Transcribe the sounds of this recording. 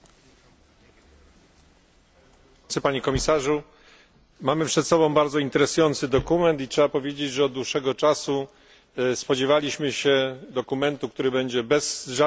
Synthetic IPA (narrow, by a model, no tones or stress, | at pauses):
ɘpaɲɛkɔmʲisaʐu | mamɘpʂɛt̪sɔbɔ̃w̃baɾd̪zɔint̪ɛɾɛsujɔnt̪sɘd̪ɔkumɛnt̪itʂɛbapɔvʲjed͡ʑed͡ʑʐɛɔd̪̚d̪wuʂːɛɡɔt͡ʂasu | spɔd͡ʑevalʲiɕmɘɕɛd̪ɔkumɛnt̪uk̚t̪uɾɘbɛɲd͡ʑɛbɛzʐa